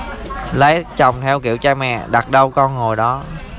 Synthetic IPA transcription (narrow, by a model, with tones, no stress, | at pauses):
lə˨˦jt͡ɕa˨˩wŋ͡mt̪ʰɛ˧wkḭ˧˨əwt͡ɕaː˧mɛ̰˧˨ɗa˨˩t̚ɗə˧wkɔ˧nŋo˨˩jɗɔ˨˦